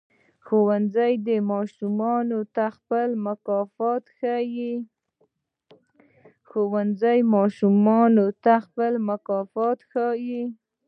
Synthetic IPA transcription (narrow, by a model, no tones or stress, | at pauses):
xowanzajd̪əmɑʃumɑnot̪axpəlmakɑfɑt̪xəji | xowanzajmɑʃumɑnot̪axpəlmakɑfɑt̪xəji